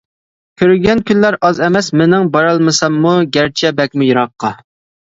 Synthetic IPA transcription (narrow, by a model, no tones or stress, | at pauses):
kʲʰøɾyɡʲɛnkʲynlæɾɑzɛmɛsmɪnɪŋbɑɾɑlˠmɨsɑmːuɡʲæɾt͡ʃʰɛbɛk̚ʲmujuɾɑqːɑ